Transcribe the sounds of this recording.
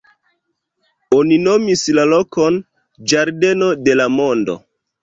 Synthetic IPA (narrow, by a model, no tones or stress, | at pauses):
onino̞mislalo̞ko̞n | d͡ʒaɾde̞no̞de̞lamo̞ndo̞̰